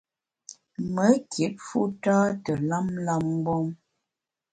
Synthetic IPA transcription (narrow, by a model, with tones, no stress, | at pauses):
mə˨˦kje˨˦t̚fu˦taː˦tə˨la˦mla˦m˦bɔ˦ŋ